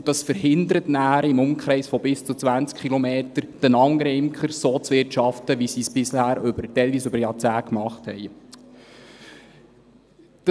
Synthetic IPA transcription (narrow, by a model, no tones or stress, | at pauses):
d̥ɑsfəɾhɪnd̪əɾətnæːɾɪmʊmkχɾɛɪsfɔbɪst͡sut͡sʋænt͡skχilomeːtəɾd̥ənɑŋɾɪmkʰχəɾsoːt͡sʋɪrtʃɑftəʋisiːsb̥ɪshæːɾʏbəɾtɛjlvʋiːsʉbəɾjɑt͡sæːkmɑχthɛ̰j | d̥